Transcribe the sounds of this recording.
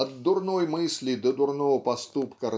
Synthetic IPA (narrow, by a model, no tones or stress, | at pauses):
ɐd̪ːʊrnojmɨsʲlʲid̪əd̪ʊrnovəpɐst̪upkəɾ